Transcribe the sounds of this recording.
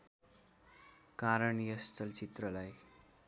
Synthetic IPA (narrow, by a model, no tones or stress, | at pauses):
kaɾʌɳjʌst͡sʌlt͡sit̪rʌlaj